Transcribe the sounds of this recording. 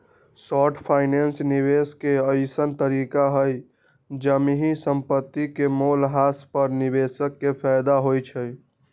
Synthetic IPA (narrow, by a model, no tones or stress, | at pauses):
sɔʈʰpʰaɪnensnibeskeəɪsənt̪əɾikaɦəj | d͡ʒəmiɦisəmpət̪ːikemolɦaspəɾnibesəkːepʰɛjd̪aɦojt͡ʃʰəj